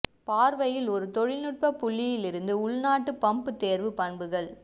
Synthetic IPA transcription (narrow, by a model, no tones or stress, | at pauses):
paːɾʋɐjɪlɔɾɯt̪ɔɻɪlnɯʈ̚pɐpːʊɭːɪjɪlɪɾɯnd̪ɯʊɭnaːʈːɯpɐmpɯt̪eːɾʋɯpɐɳbɯɣɐɭ